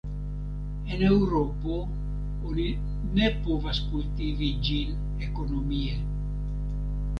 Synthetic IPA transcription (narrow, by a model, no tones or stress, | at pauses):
enewɾopo | oni | nepovaskult̪ivid͡ʒil | ekonomie